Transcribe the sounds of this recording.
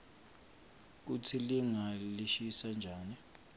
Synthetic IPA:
k̬ut͡sʰiliŋaliʃisand͡ʒʱaːni

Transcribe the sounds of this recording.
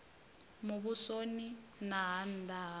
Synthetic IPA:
muβusoninaɦan̩d̪ʱaɦ

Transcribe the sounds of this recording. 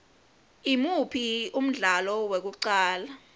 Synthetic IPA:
imupʰium̩ɮalɔwek̬uǀaːla

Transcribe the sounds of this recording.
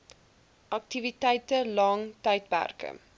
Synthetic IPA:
ʔɐk̚tivitɛjtəlɑŋtɛjtpæ̰rkə̰

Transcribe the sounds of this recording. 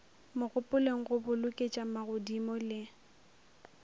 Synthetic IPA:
mʊɣʊpʼʊleŋ̩ɣʊbʊlʊkʼet͡ʃʼamaɣʊdimɔlɪ

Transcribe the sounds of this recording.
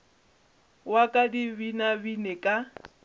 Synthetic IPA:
wakʼadibinabinɛkʼa

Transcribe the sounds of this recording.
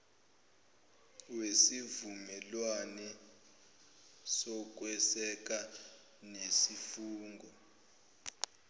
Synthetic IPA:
wesivumɛlwanɛ | sɔk̬wɛsɛk̬a | nesifuːŋɡʱɔ

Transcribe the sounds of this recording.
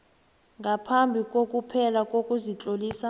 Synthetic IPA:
ŋɡʱapʰambʱikʼokʼupʰɛlakʼokʼuzit͡ɬʼoliːsa

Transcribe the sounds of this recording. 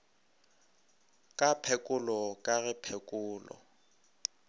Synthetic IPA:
kʼapʰɛkʼʊlɔkʼaɣɪpʰɛkʼʊːlɔ̰

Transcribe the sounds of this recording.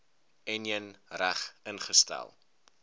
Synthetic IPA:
ɛniənræχənχəstæ̰lˠ

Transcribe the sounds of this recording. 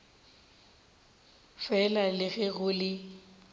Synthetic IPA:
fɛlalɪɣɛɣʊlɪ

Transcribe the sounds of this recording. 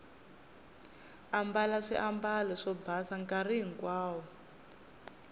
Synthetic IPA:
ambalaʂḭʔambalɔʂɔbasaŋkariŋ̩kwaːwɔ

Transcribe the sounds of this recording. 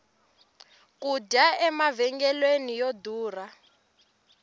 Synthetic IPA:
kuɟaɛmavɛŋɡɛlwenijoduːra

